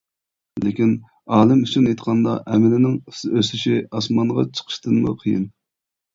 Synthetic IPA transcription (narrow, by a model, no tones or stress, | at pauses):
lekʲin | ɑːlˠɪmyt͡ʃʰinɑjt̪qʰɑnd̪ɑ̰ʔɛmɪlɪnɪŋsøsyʃiɑsmɑɴʁɑ̰t͡ʃʰə̥qʰə̥ʃt̪ɨnmṵqʰəjɨ̰n